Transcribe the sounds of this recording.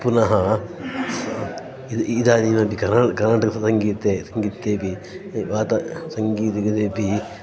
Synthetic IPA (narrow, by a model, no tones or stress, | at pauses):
punɐɦɐ | id̪ʔid̪aːniːnɐbikɐɾnaːkɐɾnaːʈɐksɐŋɡiːt̪ːeːsɐŋɡiːt̪ːeːpi | ʋaːt̪ɐsɐŋɡiːt̪iɐd̪eːpi